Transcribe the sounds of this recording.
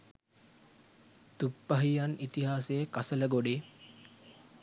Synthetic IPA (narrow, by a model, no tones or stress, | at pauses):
t̪upːəɦijanit̪iɦaːsejəkasələɡoɖeː